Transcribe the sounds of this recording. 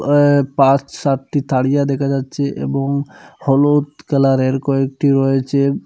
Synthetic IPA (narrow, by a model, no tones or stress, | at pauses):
pãt͡ʃsaʈʈit̪ʰaɽijad̪ɛkʰad͡ʑatːʃʰeʔḛboŋhɔlot̪kɛlaɾeɾkɔek̚ʈiɾɔet͡ɕʰe